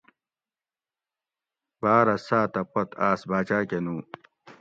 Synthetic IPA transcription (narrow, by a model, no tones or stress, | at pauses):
baːɾɐsaːt̪ɐpɐt̪aːsbaːt͡ɕaːkenuː